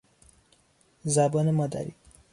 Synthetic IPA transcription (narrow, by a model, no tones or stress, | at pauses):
zabɔːnemɒd̪æ̰ɾḭː